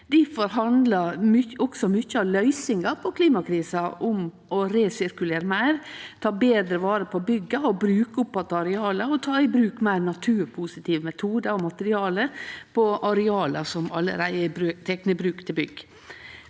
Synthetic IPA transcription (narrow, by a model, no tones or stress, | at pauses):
d̪̥ɪfɔɾɦɑnd̪lɑmʏɔksɔmʏçːəɑʋlœʏsɪŋɑpʰɔkʰliːmɑkʰɾiːsɑʔʊm | ɔɾeːsɪɾkʉleːɾəmæɪɾt̪ʰɑːbeːd̪ɾəʋɑːɾəpʰɔbʏɡɑɔbɾʉːkəʊpːɑt̪ːəɑɾɛɑːləɔt̪ʰɑːɪbɾʉːkmæɪɾnɑt̪ʰʉːɾpʰʊsɪt̪ʰiːʋəmɛt̪ʰuːd̪əɔmɑt̪əɾɪɑːləpʰɔʔɑɾɛɑːləsɔmɑlːə̰ɾæɪæbɾʉt̪ʰɛknəbɾʉːkt̪ʰɪlbʏɡ